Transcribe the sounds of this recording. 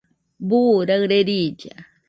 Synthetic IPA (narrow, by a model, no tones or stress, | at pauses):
buɾaɾeɾid͡ʒa